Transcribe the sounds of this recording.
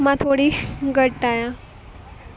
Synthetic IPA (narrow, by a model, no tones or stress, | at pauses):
mãt̪ʰoɽiːɡʱəʈːajã